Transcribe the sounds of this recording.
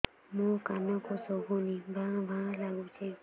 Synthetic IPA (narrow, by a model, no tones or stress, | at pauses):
mũkanɔ̃kosoɡũnĩbãbãlaɡũt͡ʃʰe